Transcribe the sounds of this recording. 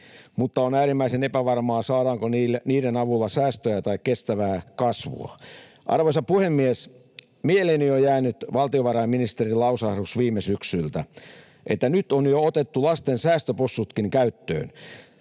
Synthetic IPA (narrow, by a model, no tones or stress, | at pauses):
mut̪ːɑonæːɾimːæisenepæʋɑrmɑːsɑːɾɑːŋkonilniːɾenɑʋulːɑsæːst̪øjæt̪ɑikkest̪æʋæːkɑsʋṵɑ̰ | ʔɑ̰rʋoisɑpuhemːies | mieleniojæːnyt̪ʋɑlt̪ioʋɑrɑimminist̪erilɑusɑhrusʋiːmesyksylt̪æ | ʔet̪ːænyt̪onjoot̪et̪ːulɑst̪ensæːst̪øposːut̪kiŋkæyt̪ːø̰ːn